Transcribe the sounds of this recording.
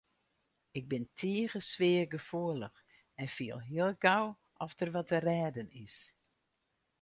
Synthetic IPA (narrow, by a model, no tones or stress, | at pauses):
ɪɡ̚bɪntʰiəɣəsʋɪəɡəfuələx | ɛnfiəlˠɦiəlˠɡaw | ʔɔftərʋɔtərɛːdənɪs